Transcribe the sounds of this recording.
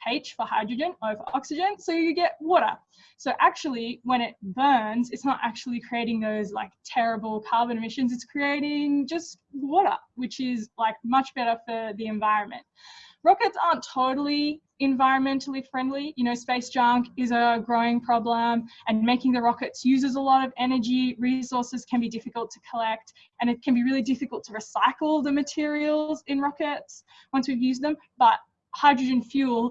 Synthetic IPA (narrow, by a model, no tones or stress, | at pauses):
pʰeɪt͡ʃfə˞haɪdɹɨd͡ʒɨ̃nəfə˞ɑksɨd͡ʒɨ̃nsoʊjɨɡɛʔ̚wɔɾə̰˞ | soʊʔæk̚t͡ʃʉl̩ˠiwə̃ɾ̃ɪt̚b̥ɜ̃˞nzɨtsnəɾʔæ̰k̚t͡ʃul̩ˠikʰɹ̥ieɪɾɪ̃ŋðoʊzla̰ɪk̚tʰɛɹɨbl̩ˠkʰɑɹbɨ̃ñɨmɪʃɨ̃nzɨtskʰɹ̥ieɪɾɪ̃ŋd͡ʒʌst̚wɔɾə̰˞wɨt͡ʃɪzlaɪk̚mʌt͡ʃb̥ɛɾə˞fə˞ðiɨ̃ɱvaɪɹɨ̃nmɨ̰̃nt̚ɹɑkɨtsɑɹntʰoʊɾl̩ˠi | ɨ̃ɱvaɪɹɨ̃nmɛ̃ntʰˡl̩ˠifɹɛ̃ndˡlijɨnoʊspeɪsd̥ʒ̥ʌ̃ŋkɪzəɡɹoʊɪ̃ŋpʰɹ̥ɑblə̃mɨ̃nmeɪkɪ̃ŋðɨɹɑkɨtsjʉzɨzəlɔɾʌvɛnə˞d͡ʒiɹisɔɹsɨz̥kʰɨ̃nbidɪfɨkəl̩ˠtʰɨ̥kʰəlɛk̚t | ɨ̃ñɨt̚kʰɨ̃nbiɹɪlˠidɪfɨkəl̩ˠtʰəɹɨsaɪkl̩ˠðɨmɨtʰɪɹil̩ˠzɨ̃nɹɑkɨts | wʌ̃nswivjʉzðə̃m | b̥ʌt̚ | haɪdɹɨd͡ʒɨ̃nfjʉlˠ